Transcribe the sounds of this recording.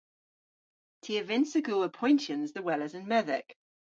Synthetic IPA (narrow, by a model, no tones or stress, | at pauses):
tʰiəvɪ̃nsəɡuːəpʰɔ̃ɪ̃ntə̃nzðəwɛləzə̃nmɛðɪ̰k